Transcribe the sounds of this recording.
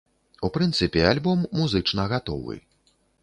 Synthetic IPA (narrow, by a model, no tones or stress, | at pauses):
upɾɨnt̪sɨpʲɛalʲbɔmːuzɨt͡ʂnɐɣat̪ɔ̰vɨ̰